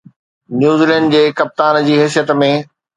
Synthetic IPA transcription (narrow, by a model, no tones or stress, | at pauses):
njuːzilɛ̃ːɳɖd͡ʑeːkɐp̚t̪aːnd͡ʑiːɦɛːsijət̪mẽ